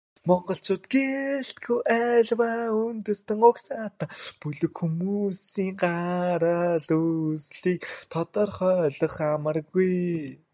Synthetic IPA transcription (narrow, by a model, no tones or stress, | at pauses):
mɔɴɢɞ̆ɬt͡ɕʊːt̪ɡeɬt̪̚ɡujʔæːɮwaunt̪ɵ̆st̪ɘ̆ŋʊksaːt̪ə̆pɵɮɵ̆kxumusiːŋɢaɾəɮusɮiːk̚t̪ʰɔt̪ɔrχœːɮɞ̆χamə̆rɣuj